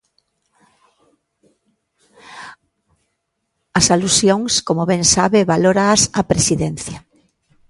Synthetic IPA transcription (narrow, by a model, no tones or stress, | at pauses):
ɐsalusjoŋskomoβɛŋsaβeβaloɾaːsɐpɾesiðɛnθja